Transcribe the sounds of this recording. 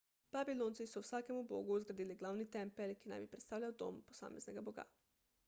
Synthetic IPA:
b̥abiloːnt̪sisɔwsaːkɛmubo̰ːɡuzɡɾad̪iːliɡlawnit̪ɛmpɛlkina̰mjipɾɛt̪st̪aːwlʲawd̪o̰mpo̥sa̰ːmɛznɛɡabɔɡa̰

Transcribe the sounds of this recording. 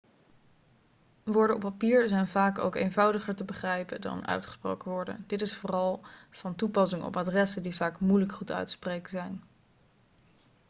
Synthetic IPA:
ʋʊːɹdəɔpːapiːɹzɛjnvaːko̰wkḛjnvɑwdəχəɹtəbəχrɛjpədɑ̰nœ̰ɥtχə̥spro̰wkəʋɔɹdə̰dɪtɪsfoːrɑlˠv̥ɑntupɑsɪŋɔ̰padrɛsədivaːkmujləkχutœ̰ɥtsprejkəzɛjn

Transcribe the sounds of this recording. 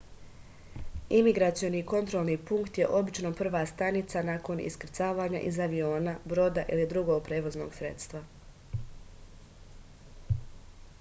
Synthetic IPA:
imiɡɾat̪sijo̞niːko̞nt̪ɾo̞lˠniːpuŋkt̪je̞ʔo̞bit͡ʃno̞pr̩ʋaːst̪anit̪sanaːko̞nḭskɾ̩t̪saːʋaːɲa̰ʔizaʋio̞ːnabɾo̞ːd̪aʔilid̪ɾuɡoɡ̚pɾe̞ːʋozno̰ːɡsɾe̞̰t̪st̪ʋa

